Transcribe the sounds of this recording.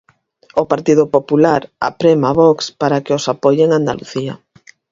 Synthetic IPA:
opaɾt̪iðʊpopulaɾa̰pɾemaβɔkspaɾakeosapojeeŋand̪a̰lṵθia̰

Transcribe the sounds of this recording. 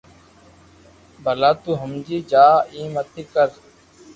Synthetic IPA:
bʱəlaːt̪uːɦəmd͡ʒiːd͡ʒaːĩːmət̪ʰiːkəɾ

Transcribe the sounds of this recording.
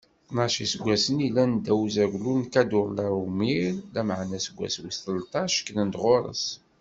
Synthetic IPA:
nəʃisɡʷæsənilænd̪æwzæʝlunkæd̪ʊɾˤlæɾumiɾlæməʕnæsəɡʷːæ̰swsθəlt̪ˤɑʃkənənd̪ʁoɾˤə̰s

